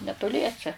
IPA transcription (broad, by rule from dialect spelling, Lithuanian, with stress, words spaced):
nʲɛtoːˈlʲiɛsʲɛ